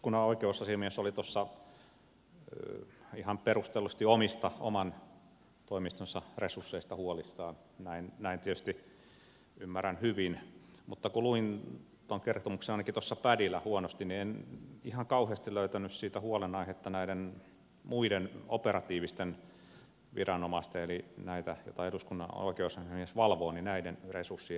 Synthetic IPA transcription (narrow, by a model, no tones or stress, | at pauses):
kunɑoikeusɑsimiesolit̪osːɑ | ihɑmperust̪elːust̪iomist̪ɑo̰mɑn | t̪oimist̪onsɑresusːeist̪ɑhuolisːɑːn | næinnæint̪iet̪y̥st̪i | ymːærænhyʋinmut̪ːɑkuluin | t̪oŋkert̪omuksenɑinɑkit̪osːɑpædilːæhuonost̪innienihɑŋkɑuheɑst̪iløyt̪ænyssiːt̪æhuolenɑihet̪ːɑnæiden | muideno̰perɑt̪iːʋist̪en | ʋḭrɑnomɑst̪eelinæit̪æjo̰t̪ɑeduskunːɑ̰no̰ˑikeousɑmiesʋɑlʋoːninæidenresusːi